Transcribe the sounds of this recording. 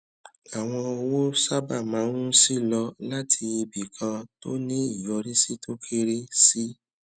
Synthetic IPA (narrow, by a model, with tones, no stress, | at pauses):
a˨w̃ɔ̃˧o˧wo˦sa˦ba˦˨mã˨˦nũ˦si˦˨lɔ˧la˦tʰi˧i˧bi˨kʰã˧to˦nĩ˦i˦˨jɔ˧ɾi˦si˦tʰo˦kʰe˧ɾe˦si˦